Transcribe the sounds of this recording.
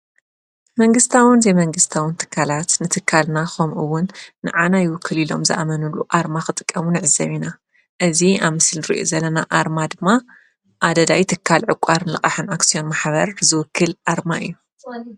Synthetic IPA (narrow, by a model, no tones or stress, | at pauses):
mɐŋɡɨst̪ʰawɨnzejmɐŋɡɨst̪ʰawɨnt̪ʰɨ̥kʰːalat̪nɨt̪ʰɨkʰːalnaxomʔuwʊnːɨ̰ʕanajɪwʊkʰːɨlilo̞̰mzɐ̰ʔamɐnuluʔaɾmaxɨt̪ʼɨ̥kʼːɐmunɨʕɨzɐβina | ʔɨziaβmɨsɨlnɨɾiʔo̰zɐlɐnaʔaɾmad̪ɨmːa | ʔad̪ɐd̪ajit̪ʰɨkʰːalʕɨkʷʼaɾnɨlɨkʼaħɨnaksijo̞nmaħβɐɾzɨwʊkʰːɨlʔaɾmaʔɨ̰jːu